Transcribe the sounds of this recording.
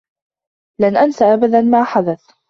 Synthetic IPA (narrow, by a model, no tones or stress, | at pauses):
lanʔansaʔabad̪anmaːħad̪aθ